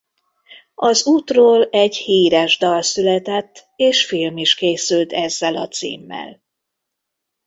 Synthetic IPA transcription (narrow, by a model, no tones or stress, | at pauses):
ɒzuːt̪roːlɛɟhiːɾɛʒd̪ɒlsylɛt̪ɛt̪ːeːʃfilmiʃkeːsylt̪ʰɛzːɛlɒt̪sḭːmːɛ̰l